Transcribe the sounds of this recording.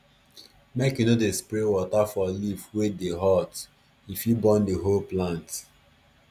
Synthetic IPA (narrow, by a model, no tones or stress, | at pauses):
mekjunodespɾewɔtafɔlivwedeɦɔt | ifjibɔ̃ndeɦolplãnt